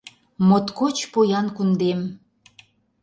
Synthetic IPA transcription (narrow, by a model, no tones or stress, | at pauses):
mot̪kot͡ɕpojɑnkund̪em